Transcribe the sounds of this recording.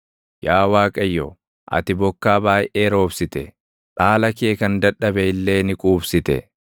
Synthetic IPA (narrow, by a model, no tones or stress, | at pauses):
jaːwaːkʼɐjːɔ | ʔɐ̰t̪ɪbɔkːaːbaːjʔeːɾo̞ːbsɪt̪ɛ | ᶑaːlɐkeːkɐnd̪ɐᶑːɐbɛɪlːe̞ːnɪkʼuːbsɪt̪ɛ̰